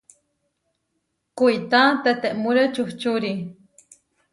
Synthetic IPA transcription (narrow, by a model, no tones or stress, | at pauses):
kujt̪at̪et̪eʔmuɾət͡ʃuht͡ʃuɾi